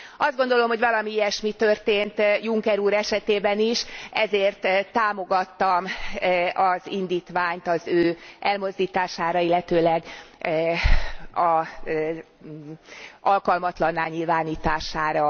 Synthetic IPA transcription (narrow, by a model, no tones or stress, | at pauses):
ɒzd̪ɡo̞nd̪o̞lo̞mho̞ɟvɒlɒmiiɛʃmit̪ø̞rt̪eːnt̪juŋkɛɾuːɾɛʃɛt̪eːbɛniʃɛzeːrt̪t̪ːaːmo̞ɡɒt̪ːɒm | ɒzind̪iːt̪ʋaːɲt̪ɒzøːʔɛlmo̞zd̪iːt̪aːʃaːɾɒilːɛt̪øːlɛɡ | ɒ | ɒlkɒlmɒt̪lɒnːaːɲilvaːniːt̪aːʃaːɾɒ